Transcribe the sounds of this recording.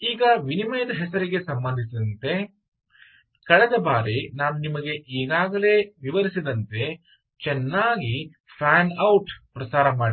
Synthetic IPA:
iːɡɐʋinimɐjɐd̪ɐɦɛsɐɾiɡe̞sɐmbɐnd̪ʱisid̪ɐnt̪e̞ | kɐɭɛd̪ɐbaːɾinaːnunimɐɡe̞ʔiːɡaːɡɐle̞ːʋiʋɐɾisid̪ɐnt̪e̞ | t͡ʃɛnːaːɡi | pʰaːnɐwʈpɾɐsaːɾɐmaːɽi

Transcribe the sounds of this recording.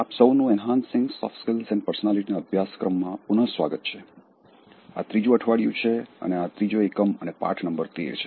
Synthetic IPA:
apsəwnũɛnɦãnsɪŋɡsɔ̰fskelsɛ̃ɳpəɾsənaliʈinaəbʱjaskɾəmːãpunəsʋa̰ɡət̪̚t͡ʃʰe | a̰t̪ɾid͡ʒũəʈʰʋaɽjṵ̃t͡ʃʰeə̰neat̪ɾid͡ʒoekəmə̰nepa̰ʈʰnəmbəɾt̪ḛɾt͡ʃʰe̥

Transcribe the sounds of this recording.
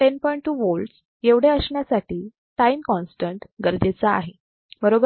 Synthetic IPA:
ʈenpɔiɳʈʈːuːʋols | jeʋɽ̤eəsɳjasaʈiː | ʈaimkɔnsʈəɳʈɡəɾd͡ʑet͡sa̰ːɦe | bəɾobə

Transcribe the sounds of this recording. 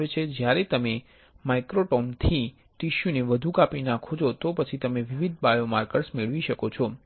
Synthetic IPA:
et͡ʃʰed͡ʒjaɾet̪əme | majkɾoʈɔmt̪ʰi | ʈiʃuneʋəd̪ʱukapinãkʰod͡ʒʰot̪opət͡ʃʰit̪əmeʋiʋid̪̚bajomaɾkəɾsmeɭʋiʃəkot͡ʃʰɔ

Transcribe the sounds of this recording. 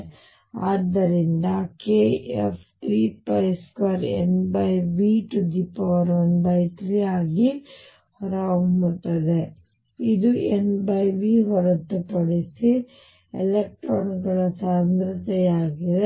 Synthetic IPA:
aːd̪ːɐɾind̪ɐkeːḛpʰt̪ɾiːpɐjskʋaːɾḛnbɐjʋiʈud̪ipːɐʋɐɾʋɐnbɐjt̪ɾiaːɡi | hɔɾɐumut̪ɐd̪e | id̪uenbɐjʋiɦɔɾɐt̪ːupɐɽesi | elek̚ʈɾoːnɡɐɭɐsaːmɾɐt̪ɛjaːɡid̪e

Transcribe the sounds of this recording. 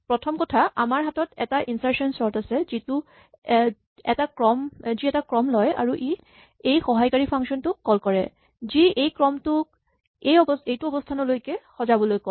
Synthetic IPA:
pɹɔtʰɔmkɔtʰaʔamaɹɦatɔtɛ̰taʔinsaɹsɔnsɔtasɛzitʊ | ɛtakɹɔmziɛtakɹɔmlɔja̰ɹuʔi | ejxɔɦajkaɹipʰaŋksɔntʊkːɔlkɔɹɛ̰ | ziejkɹɔmtʊk | ejɔbɔejtuɔbɔstʰanɔlojkɛxɔzabɔlojkɔ

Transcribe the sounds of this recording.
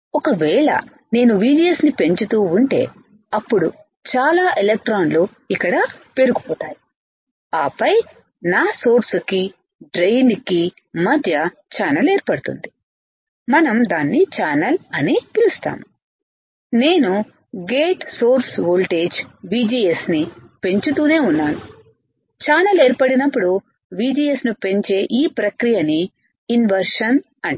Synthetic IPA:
ɔkɐʋɛːɭɐ̰ | ne̞ːnuʋiːd͡ʒiesnipe̞ɲt͡ʃut̪uːɳʈe̞̰ː | ɐpːuɽu | t͡ʃaːlaːʔelek̚ʈɾaːnloː | ikːɐɽape̞ɾuɡupɔːt̪aːji | aːpɐj | naːso̞ːɾsuki | ɖɾejnki | mɐd̪ʱjɐ | t͡ʃaːnɐleːɾpɐɽut̪ṵnd̪i | mɐnɐmd̪aːnːit͡ʃaːnɐlɐnit̪ilust̪a̰ːnu | ne̞ːnu | ɡe̞ːʈsoːɾsʋoːlʈe̞ːd͡ʒʋiːd͡ʒiːesnipe̞ɲt͡ʃut̪uːne̞ːunːaːnu | t͡ʃaːnɐle̞ːɾpɐɽinɐpːuɽu | ʋiːd͡ʒiːjesnupe̞ɲt͡ʃe̞ːʔiːpɾɐkɾijɐniː | nʋɐɾʂɐn | ɐɳ

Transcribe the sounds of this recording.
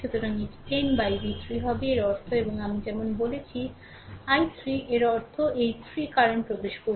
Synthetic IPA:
ut̪oɾanid͡ʑpenbajbit̪ʰɾiɦɔbeeɾɔɾt̪ʰoeboŋamid͡ʑɛmonbolet͡ɕʰi | ajt̪ʰɾiʔeɾɔɾt̪ʰoʔejt̪ʰɾikaɾonpɾob̪eʃko

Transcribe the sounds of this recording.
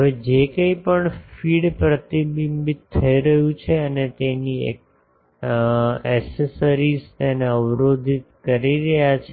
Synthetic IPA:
ɦəʋed͡ʒekəipəɳfiɽpɾət̪ibimbit̪ʰːəiɾəɦũt͡ʃʰeənet̪eniḛk̚ | ɛsesəɾizt̪eneəʋɾod̪ʱit̪̚kəɾiɾəɦjat͡ʃʰe

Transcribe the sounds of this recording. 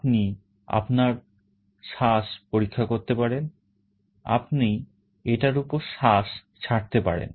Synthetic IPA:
pni | a̰pnaɾ | ʃaʃpoɾikʰːakoɾt̪epaɾen | a̰pni | eʈaɾupoɾʃaʃ | t͡ɕʰaʈ̚t̪epa̰ɾḛn

